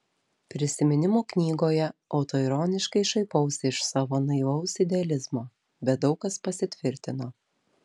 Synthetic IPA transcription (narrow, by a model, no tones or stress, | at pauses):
pʲɾʲɪsʲɪmʲɪnʲɪmoːknʲiːɡoːjɛɒʊt̪oːɪɾɔːnʲɪʃkɐɪʃɐɪpɐʊsʲɪʃsɑːʋoːnɐɪʋɐʊsɪd̪ʲɛɐlʲɪzmoː | bʲɛt̪̚d̪ɒʊkɐspɐsʲɪt̪ʲʋʲɪɾʲt̪ʲɪnoː